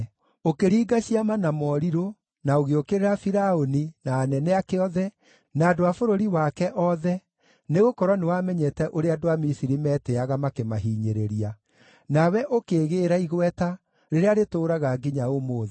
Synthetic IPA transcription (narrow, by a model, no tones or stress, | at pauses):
okeɾiːɡaɕiamanamɔɾiɾo | naoɣeokeɾeɾafiɾaoninaːnɛnɛakeɔðɛ | naːdoafoɾoɾiwakɛʔɔðɛ | neɣokɔɾwɔnewamɛɲɛtɛʔoɾeadoamisiɾimɛteaɣamakemaɦiːɲeɾeɾia | nawɛʔokeːɣeːɾaiɣwɛta | ɾeɾeaɾetoːɾaɣaɡiɲaomoːðɛ